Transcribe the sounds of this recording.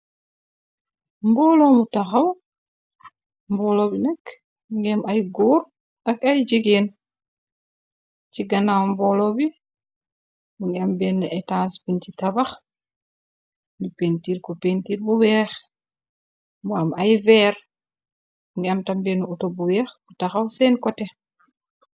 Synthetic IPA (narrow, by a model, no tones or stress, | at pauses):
mbɔlɔmutaxaw | mbɔlɔbinɛk | ŋɡɛmʔajɡuɾ | akajd͡ʒiɡen | t͡ʃiɡanawmbɔlɔbi | uŋɡɛambɛnːaɛtanspint͡ʃitabax | nipentiːɾkɔpentiːɾbuwɛːx | mbamajvɛɾ | ŋɡɛamtambɛnuutobuwɛxbutaxawsɛnkɔtɛ